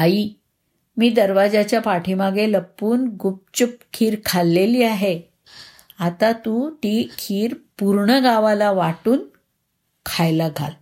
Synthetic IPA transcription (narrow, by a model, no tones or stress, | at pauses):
ai | miːd̪əɾʋad͡zat͡ɕjapaʈʰimaɡeləpːuːnɡup̚t͡ɕup̚kʰiːɾkʰalːeliːaɦe | at̪at̪ut̪ikʰiːɾpuɾɳəɡaʋalaʋaʈuːn | kʰajlaɡʱa̰l